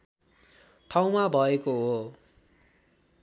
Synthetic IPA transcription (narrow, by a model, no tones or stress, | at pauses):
ʈʰaw̃mabʱʌekoɦo